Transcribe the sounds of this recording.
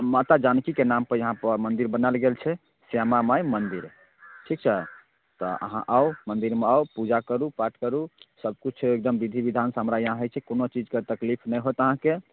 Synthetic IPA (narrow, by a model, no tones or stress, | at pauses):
mat̪ad͡ʒankikenampəɾjəɦãpəmənd̪iɾbənalɡelt͡ʃʰɛ | semamajmənd̪iɾ | ʈʰik̚t͡ʃʰɛ | t̪ɔ̰ʔə̰ɦã̰ʔaomənd̪iɾmeaopud͡ʒakəɾupaʈʰkəɾusəb̚kut͡ʃʰek̚d̪əmbid̪ʱibid̪ʱansɦəmɾajəɦãɦət͡ʃʰɛkonot͡ʃid͡ʒket̪əklipʰnəjɦot̪əɦãke